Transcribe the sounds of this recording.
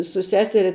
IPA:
sʊ ˈsʲæːsʲɛrʲɛ

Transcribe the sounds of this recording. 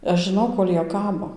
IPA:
ɐʃ ʒʲɪˈnɐʊ ˈkoːlʲ ˈjiɛ ˈkɑːboː

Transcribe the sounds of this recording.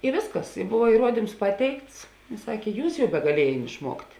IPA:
ɪ ˈʋʲeːsˌkɐs ɪ bʊʋɐ iːˈruɔdʲɪms ˈpɑːˌtʲɛɪkts ˈsɑːkʲeː ˈjuːs jɛʊ bʲɛɡɐˈlʲiɛjeːn ɪʃˈmuɔktʲ

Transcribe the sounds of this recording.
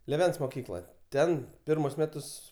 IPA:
lʲeːˈʋʲɛns moːˈkʲiːklˠoːj ˈtʲɛn ˈpʲɪrmʊs ˈmʲæːtʊs

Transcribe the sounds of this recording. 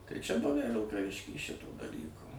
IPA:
tɐɪ t͡ʃʲɛ ˈbʊʋʲæ ʋʲɪlˠkɐˈʋʲɪʃʲkʲiː ˈʃʲɪtoː dɐˈlʲiːkoː

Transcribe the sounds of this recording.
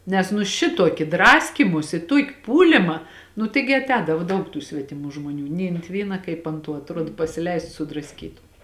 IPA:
ˈnʲɛs nʊ ˈʃʲɪtuɔkʲɪ ˈdrɑːsʲkʲiːmʊsʲɪ ˈtuɔkʲɪ ˈpuːlʲɪmɐ nʊ ˈtɐɪɡʲɪ ɐˈtʲɛːdɐʋoː ˈdɐʊk tuː sʲʋʲɛtʲɪˈmuː ʒmoːˈnʲuː nʲɛɪ ɐnt ˈʋʲiːnɐ ˈkɐɪp ɐnt ˈtuɔ ɐtˈruɔt pɐsʲɪˈlʲɛɪst sʊdrɐsʲˈkʲiːtʊ

